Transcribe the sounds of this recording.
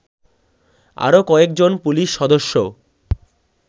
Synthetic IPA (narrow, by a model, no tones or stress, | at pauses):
a̰ɾokɔek̚d͡ʑonpuliʃːɔd̪oʃːo